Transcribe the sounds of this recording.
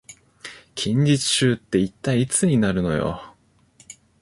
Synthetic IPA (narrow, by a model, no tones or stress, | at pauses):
kʲʰĩɲ̟d͡ʑit͡sɨ̥ɕɨːt̪ːe̞it̪ːaiːt͡sɨɲ̟inaɾɯ̟no̞̰jo̞̰